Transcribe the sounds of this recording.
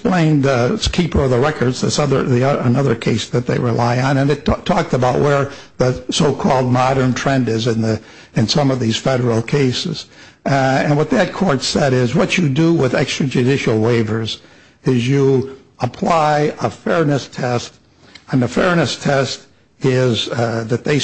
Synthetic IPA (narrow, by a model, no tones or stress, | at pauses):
splẽɪ̃nəskʰipə˞ʌvðəɹɛkə˞dzðɨ̰sʌðə˞ðiʌənʌðə˞kʰeɪsðɨt̪̚ðeɪɹɪlaɪə̃nɨ̃nɨttʰɔk̚təbaʊʔ̚wə˞ðɨsoʊkʰɔlˠd̚mɑɾə̃˞ntʰɹ̥ɛ̃ndɪzɨ̃nðɨ | ɨ̃nsʌ̃mʌvðiz̥fɛɾə˞l̩ˠkʰeɪsɨ̰z̥ | ɨ̃nwʌt̪̚ðɨt̚kʰɔɹtsɛɾɪzwʌt͡ʃɨdəwɪðɛkstɹ̥ɨd͡ʒʉdɪʃl̩ˠweɪvə˞z | ɪzjə | əpʰl̥aɪəfɛɹnɨstʰɛst | ɨ̃nɨfɛɹnɨstʰɛst | ɪzðɨt̪̚ðeɪ